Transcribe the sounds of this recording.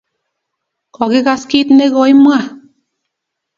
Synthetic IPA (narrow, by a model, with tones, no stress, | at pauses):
kɔ˨ɣi˦ɣa˧ski˦t̪ne˦ɣɔ˧˦i˦mwa˧˨